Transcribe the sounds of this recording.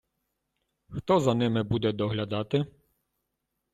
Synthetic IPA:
xt̪ɔzɐnɪmɪbud̪ɛd̪ɔɦlʲad̪ɑt̪ɪ

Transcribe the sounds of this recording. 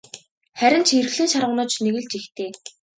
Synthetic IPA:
χæɾʲɪ̆nt͡ɕʰer̆xɮiːnʃaɾə̆wnʊːt͡ɕʰneɣɘ̆ɮt͡ɕixt̪eː

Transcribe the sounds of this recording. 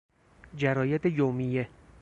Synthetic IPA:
d͡ʒæɾɒːjet̪ʰejomije

